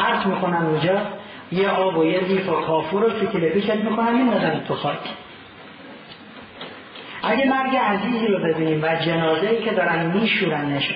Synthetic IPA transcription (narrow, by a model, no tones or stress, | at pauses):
æɾsmiːkʰonæmund͡ʒɒː | jeʔɒːbojed̪iːfokʰɒːfuɾot̪ʰuc̪ʰilepʰiːʃet̪miːkʰonæmmind̪ɒzænit̪ʰoxɒːkʰ | ʔæɟemæɾɡeæziːziːɾobe̞biːniːmvæd͡ʒenɒːzeiːcʰed̪ɒːɾænd̪miːʃuːɾæneʃ